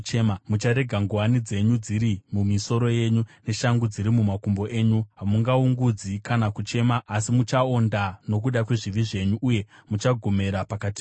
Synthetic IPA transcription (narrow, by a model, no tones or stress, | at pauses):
t͡ʃemamut͡ʃaɾe̞ɡʱaŋɡuwanid͡ze̞ɲud͡ziɾimumiso̞ɾo̞je̞ɲune̞ʃaŋɡud͡ziɾimumakumbo̞ʔe̞ːɲuɦamuŋɡauŋɡud͡zikanakut͡ʃe̞maʔːsimut͡ʃaondano̞k̬uɗakwe̞ʐiʋiʐe̞ɲuʔːje̞mut͡ʃaɡʱo̞me̞ɾapakati̥